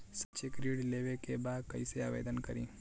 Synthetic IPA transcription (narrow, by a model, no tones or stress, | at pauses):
sɐt͡ʃekɾiːɽleːʋekebaːd̪̚kɐiseaːʋḛːd̪ənkɐɾḭ̃ː